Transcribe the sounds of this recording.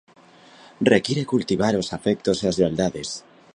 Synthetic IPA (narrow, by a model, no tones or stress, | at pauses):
rekjiɾekult̪iβaɾosafɛk̚t̪oseazʎeald̪aðes